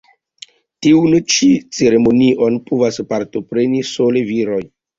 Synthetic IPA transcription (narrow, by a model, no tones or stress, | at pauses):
tiunt͡ʃit͡se̞ɾe̞mo̞niʔo̞npovaspaɾto̞pɾe̞niso̞le̞viɾo̞j